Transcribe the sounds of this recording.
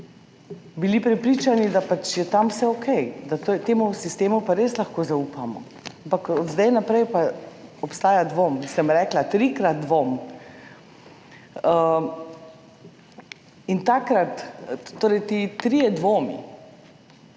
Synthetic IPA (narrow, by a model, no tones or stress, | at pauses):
bilipɾɛpɾiːt͡ʃanid̪apat͡ʃjɛt̪amsɛokʰɛjd̪at̪ojt̪eːmusist̪eːmupaɾeːslaxkoːzaupamɔ̰ | ampakɔd̪zd̪ɛjnapɾɛjpaɔpst̪aːjad̪ʋoːmsɛmɾɛːklat̪ɾikɾat̪̚d̪ʋom | ə | int̪akɾat̪ːoːɾɛjt̪it̪ɾijɛd̪ʋoːmḭ